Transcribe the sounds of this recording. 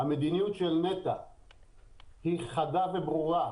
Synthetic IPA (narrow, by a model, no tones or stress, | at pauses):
amed̪inijut̪ʃelnet̪a | hiχad̪avebʁuʁa